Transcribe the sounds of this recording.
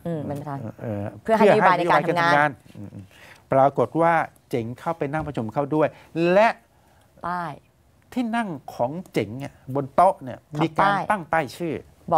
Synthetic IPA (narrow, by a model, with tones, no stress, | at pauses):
m˧kʰaː˦˧˩ʔɤː˧˩pʰɯ˥˩˨ɦɯ˨˥˩a˩˧ajna˧oː˧aː˧j̪ka˧nŋʰː˧ŋaː˧nɯ˧˩ʔ | pɾaː˧ko˨˩t̪̚waː˥˩t͡ɕe˨˩˦ŋkʰa˥˩wpa˧jna˥˩ŋpɾa˧t͡ɕʰu˧mkʰa˥˩wdu˥˩əj | lɛ˦˥ʔ | a˥˩j | t̪ʰiː˥˩na˥˩ŋkʰɔː˩˦ŋt͡ɕe˨˩˦ŋni˦˥˩ɐbo˧nt̪o˦˥ʔni˧˥˩ɐmiː˧kaː˧˥na˥˩ŋt̪a˥˩jt͡ɕʰɯː˥˩ | bɔ˨˩